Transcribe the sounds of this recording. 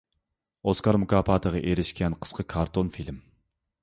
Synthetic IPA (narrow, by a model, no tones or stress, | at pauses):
oskɑɾmukʰɑːpʰɑːt̪ʰəʁɑʔeɾɪʃkʲʰɛnqʰə̥sqʰəkʰɑɾt̪ʰonfilm